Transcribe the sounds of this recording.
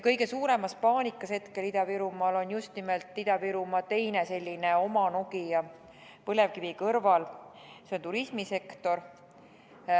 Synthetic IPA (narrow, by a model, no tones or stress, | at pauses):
kɤjɡe̞suːɾe̞mɑspɑːnʲikːˑɑshe̞t̪ke̞lid̪ɑviɾumɑlo̞njust̪nimelt̪ˑlid̪̥ɑviɾumɑt̪e̞jne̞se̞lʲːine̞o̞mɑnokijɑ | pɤle̞vkivikɤrvɑl | se̞o̞nt̪uɾismise̞kt̪o̞ɾ